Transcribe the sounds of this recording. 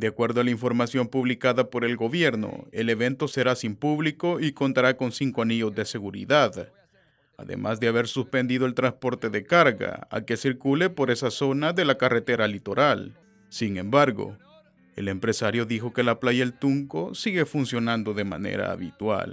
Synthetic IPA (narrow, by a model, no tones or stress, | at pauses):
d̪eakwe̞ɾðoalaiɱfo̞ɾmasjo̞mpuβlikaðapo̞ɾe̞lɡo̞βje̞ɾno̞̰e̞le̞βe̞nt̪o̞se̞ɾasimpuβlikoiko̞nt̪aɾako̞nsiŋkoaniʝo̞zðe̞se̞ɣuɾḭðað | a̰ðe̞̰mʔa̰zðeaβe̞ɾsuspe̞nd̪iðoe̞lt̪ɾanspo̞ɾt̪e̞ðe̞kaɾɣa̰a̰ke̞siɾkule̞po̞ɾe̞saso̞naðe̞lakare̞t̪e̞ɾalit̪o̞ɾʔal | siŋẽ̞mbaɾɣo̞̰ | e̞̰le̞mpɾe̞saɾjo̞ðixo̞ke̞laplaʝaelt̪uŋko̞̰siɣe̞funsjo̞nãnd̪o̞ðe̞ma̰nḛɾa̰ːβit̪wa̰l